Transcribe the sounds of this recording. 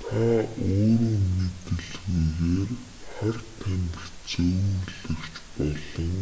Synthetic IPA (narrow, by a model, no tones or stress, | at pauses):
t̪ʰɔːoːɾuːmet̪ɘ̆ɮɣiɣeːr | χærʲt̪ʰːæmp̪ə̆rt͡sɵwuɮɵ̆kt͡ɕpɔɮɞ̆ŋ